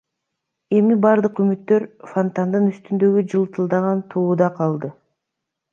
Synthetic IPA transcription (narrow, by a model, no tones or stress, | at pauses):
e̞mibɑɾd̪ɯqymyt̪ːø̞ɾfont̪and̪ɯnyst̪ynd̪ø̞ɡyd͡ʒɯlˠt̪ɯlˠd̪ɑʁɑnt̪ʰuːd̪ɑqʰɑlˠd̪ɯ